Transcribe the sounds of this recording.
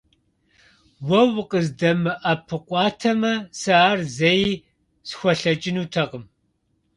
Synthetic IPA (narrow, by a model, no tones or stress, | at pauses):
wɐwqʼəzdɐmɨʔɐpʰɨqʷʼɑːtʰɐmɐsɐaːrzej | sxʷɔɬɐt͡ʃʼɪnuːtʰɐqəm